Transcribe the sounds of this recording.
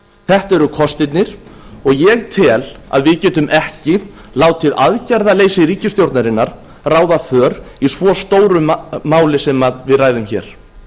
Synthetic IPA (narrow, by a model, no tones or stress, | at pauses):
θɛht̪ɛɾʏkʰɔst̪ɪt̪nɪɾ̥ | ɔɣjɛɣt̪ʰɪla̰ðvɪðcɛːt̪ʏmʔɛhcɪ | laːwt̪ʰɪðaðcaɾðaleːjsɪɾiːcɪst̪jowɾt̪naɾɪnːaɾ̥ | raːwðafœːɾ | isvɔːst̪oːwɾʏmaːwlɪsɛmaðvɪðraːjðʏmçɛ̰ːɾ̥